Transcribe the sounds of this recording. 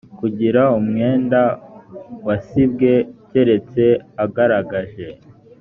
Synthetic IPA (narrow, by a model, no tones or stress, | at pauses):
kuɟiɾaumŋe̞ːnda | wasib̚ɡe̞ce̞ɾe̞t͡se̞aɡaɾaɡaʒe̞